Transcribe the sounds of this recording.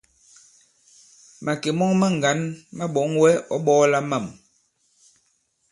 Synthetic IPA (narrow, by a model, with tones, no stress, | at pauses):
ma˨ke˨mɔ˦ŋmɛ˦ŋ̩˨ɡa˨˦nma˦ɓɔ˨˦ŋwɛ˦ɔ˦ɓɔː˦la˦ma˨m